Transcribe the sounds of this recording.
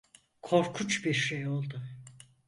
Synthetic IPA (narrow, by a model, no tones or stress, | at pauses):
kʰo̞ɾkʰut͡ʃbiɾʃejo̞lˠd̪ʊ